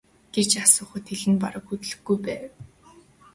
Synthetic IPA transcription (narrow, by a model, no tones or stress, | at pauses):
ɡ̥et͡ɕasʊːχə̆t̪ʰːeɮɘ̆npaɾə̆kut̪ɘ̆ɮɘ̆ɡujpæː